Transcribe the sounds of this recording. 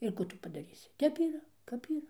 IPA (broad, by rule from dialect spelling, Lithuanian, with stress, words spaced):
ɪr ˈkuː tʊ pɐdɐˈrʲiːsʲɪ ˈtʲɛp iːˈrɐ ˈkɐp iːˈrɐ